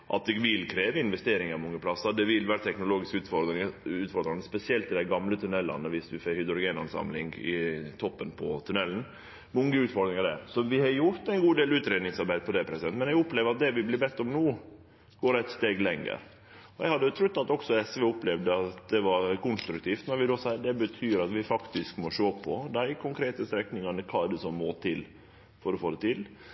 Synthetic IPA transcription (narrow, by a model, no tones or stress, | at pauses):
ʔɑ̰t̪̚d̪ɛɡʋɪlkʰɾeːʋəɪnʋɛst̪eːɾɪŋɑɾmɔŋːəpʰlɑsːɑd̪ɛʋɪlʋæːɾət̪ʰɛknʊloːɡɪskʉːt̪fɔɪʉːt̪fɔɾd̪ɾɑnəspɛsɪɛlt̪ɪd̪æɪɡɑmlət̪ʰʉnɛlːɑ̰nəʋɪsʋɪfɛhʏd̪ɾʊɡeːnɑ̰nsɑ̰mlɪ̰ŋɡɪ̰t̪ʰɔpːənpʰɔt̪ʰʉnɛln̩ | mɔŋːəʉːt̪fɔɾd̪ɾɪŋɑɖ̪ɛsɔʋɪhɑɾjʊɾt̪æɪnɡuːd̪eːlʉːt̪ɾeːd̪nɪŋsɑɾbæɪd̪əpʰɔd̪ɛpʰɾɛsɪd̪ɛnt̪mɛnjɛɡʊpleːʋəɾɑt̪̚d̪ɛʋɪblɪbɛst̪ːɔmnoː | ɡ̥oːɾæɪt̪st̪eːɡlɛŋːə̰ɾ | ɔjɛɡhɑd̪ːət̪ʰɾʉt̪ːɑt̪ɔksɔɛsʋɛʊplɛʋd̪əɑt̪d̪ɛʋɑɾkʊnst̪ɾʉkt̪ʰiːft̪nɔɾʋɪd̪osɑd̪ɛbət̪ʰyːɾɑt̪ʋɪfɑkt̪ɪskmɔʃoːpʰɔd̪æɪkʰʊŋkʰɾeːt̪əst̪ɾɛknɪŋɑnəkʰɑːɛɖəsɔmːoːt̪ʰɪl | fɔɾɔfoːd̪ɛt̪ʰɪl